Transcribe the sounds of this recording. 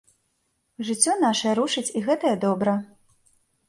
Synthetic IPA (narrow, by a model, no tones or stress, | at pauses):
ʐɨt͡sʲːɔn̪aʂɐjɐɾuʂɨt͡sʲiɣɛt̪ɐjɛd̪ɔbɾɐ